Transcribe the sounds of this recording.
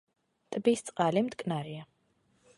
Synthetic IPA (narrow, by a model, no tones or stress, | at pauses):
t̪ʼbist̪sʼqʼalimd̪kʼnaɾia